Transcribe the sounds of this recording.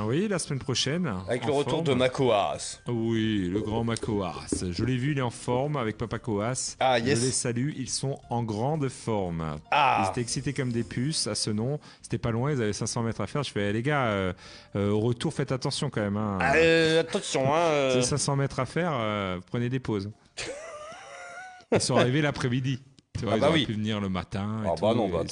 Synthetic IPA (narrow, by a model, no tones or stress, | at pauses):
wilasəmɛnpχɔʃɛnavɛkləʁət̪uʁmd̪əmakoa̰swiləɡʁɑ̃makʰoa̰sʒəlɛvyilɛt̪ɑ̃fɔʁmavɛk̚papakoasajɛəlesalyʔilsɔ̃ɑ̃ɡʁɑ̃d̪fɔʁmailzet̪ɛɛksit̪ekɔmd̪epʰysasənɔ̃ | se̥t̪ɛpalwɛ̃ilzavɛsɛ̃sɑ̃mɛt̪χafɛʁʒvɛleɡaø | øoʁət̪uʁfɛt̪at̪ɑ̃sjɔ̃kɑ̃mɛmɛ̃øat̪ɑ̃sjɔ̃ɛ̃øzesɛ̃sɑ̃mɛt̪χafɛʁøupχəned̪epoz | ilsɔ̃aʁivelapχɛmid̪it̪yvwailzzʁɛipyvəniʁləmat̪ɛ̃eubanɔ̃a